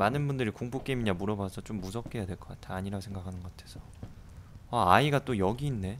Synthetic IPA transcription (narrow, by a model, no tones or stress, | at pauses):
manɯnbundɯɾikoŋpok͈e̞miɲamuɾʌbasʰʌt͡ɕ͈omːusʰʌk͈e̞jadwe̞ɭk͈ʌ̥k͈atʰanaɲiɾaɡosʰe̞ŋɡakʰanɯnɡʌatʰesʰʌ | aaiɡat͈ojʌɡiːnːe̞